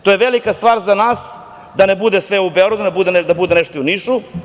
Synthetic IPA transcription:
t̪ojeʋelikast̪vaːɾzanaːs | d̪anebud̪esʋeubeoɾad̪ud̪abud̪ened̪abud̪eneʃt̪oiuniʃu

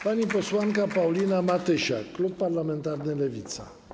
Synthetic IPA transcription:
vaniposuaŋkapaulinamat̪eʃa̰klub̚parlament̪ard̪elevit̪sa̰

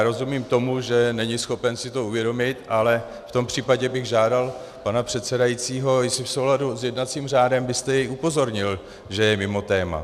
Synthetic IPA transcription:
ɾo̞zumiːmt̪o̞muʒɛnɛɲɪsxo̞pɛnsɪt̪o̞uvjɛdo̞mɪt̪ʔalɛ | ft̪o̞mpr̝̥iːpaɟɛbɪɣʒaːdal | panapr̝̥ɛt̪sɛdajit͡siːɦo̞sɪfso̞wladuzjɛdnat͡siːmr̝aːdɛmbɪst̪ɛjɛjʔupo̞zo̞ɾɲɪl | ʒɛjɛmɪmo̞t̪ɛːma̰

